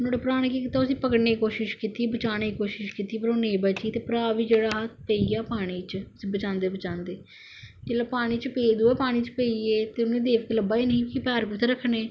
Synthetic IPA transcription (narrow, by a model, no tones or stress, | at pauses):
nõːɽepʊɾaːɽ̃kiːkit̪ːaːʊsĩːpəkəɽneːkikoːʃɪʃkiːt̪iːbət͡ʃaːñeːkikoːʃɪʃkiːt̪iːpəɾoːnẽːbət͡ʃiːt̪eːpəɾaːʋiːd͡ʒeːɽaːɦət̪̚ʰpəiːaːpaːɽ̃iːt͡ʃʊsĩːbət͡ʃãːnd̪eːbət͡ʃãːnd̪eː | d͡ʒeːlaːpaːɽ̃iːt͡ʃpeːd̪uːɛːpaːɽ̃iːt͡ʃpəieːt̪eːʊnẽːd̪eːʋkeləbaːiːnəĩːkipɛːɾkit̪ʰeːɾəkʰːneː